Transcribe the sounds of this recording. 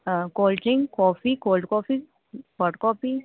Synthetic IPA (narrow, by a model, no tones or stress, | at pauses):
koːlʈɾɪ̃ŋɡkɔːfikoːlɖkɔːpi | pəʈkɔːpi